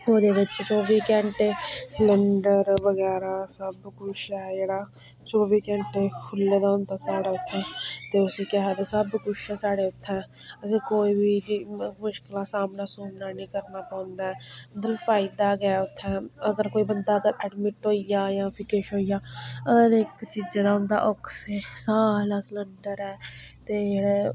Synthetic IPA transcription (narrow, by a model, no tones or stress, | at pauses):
oːd̪eːʋɪt͡ʃt͡ʃoːʋiːkɛ̃ːɳʈesləɳɖəɾʋəɣɛːɾaːsəbkʊt͡ʃɛjeːɽaː | t͡ʃoːʋiːkɛ̃ːɳʈekʰʊlːed̪aːõnt̪aːsaːɽaːʊt̪ʰːɛ̃ːt̪eːʊsikɛɦɛːt̪esəbkʊt͡ʃʰɛːsaːɽeːʊt̪ʰːɛ̃ | əsĩkoːiːbʱiːmʊʃkɪlãːsaːmnaːsoːmnaːnĩːkəɾnaːpãːnd̪aːɛːmət̪ləbfaːɪd̪aːɡaːʊt̪ʰːɛ̃ːəɡəɾkoːiːbənd̪aːəɡəɾɛɖmɪʈɦoːijaːjãːpʰɪkeːʃɦoːijaːəɡəɾɪkt͡ʃid͡ʒːd̪aːɦʊ̃nd̪a̰ːʔɔksesaːlasləɳɖəɾɛːt̪eːd͡ʒeːɽeː